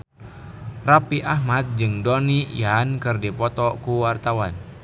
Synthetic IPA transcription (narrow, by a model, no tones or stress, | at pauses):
rapiʔahmat̪̚d͡ʒɨŋdɔnijankɨrdipɔt̪ɔkuwart̪awan